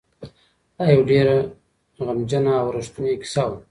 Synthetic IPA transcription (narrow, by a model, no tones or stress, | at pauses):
d̪̥ajawɖeɾa | ɣamd͡ʒanaːwɾaʂt̪uneki̥saw